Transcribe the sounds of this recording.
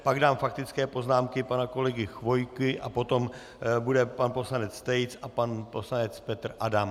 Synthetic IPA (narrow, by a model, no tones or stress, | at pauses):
paɡdaːmfak̚t̪ɪt͡skɛːpo̞znaːmkɪpanako̞lɛɡɪxvo̞jkɪʔa̰po̞t̪o̞m | budɛpanpo̞slanɛt͡st̪ɛjt͡sapanposlanɛt͡spɛt̪rʔadam